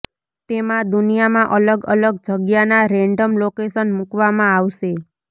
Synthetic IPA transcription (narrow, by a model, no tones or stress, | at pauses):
t̪emãd̪unijamãʔələɡələɡ̚d͡ʒəɡjanaɾɛɳɖəmlokesənmukʋamãaʋʃe